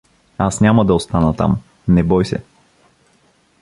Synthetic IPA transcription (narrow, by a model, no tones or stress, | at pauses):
asnʲaməd̪ɐost̪anət̪a̰m | nɛbɔjsɛ̰